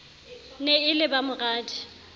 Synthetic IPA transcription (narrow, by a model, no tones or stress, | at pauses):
neɪlɪbamʊɣaːdi̥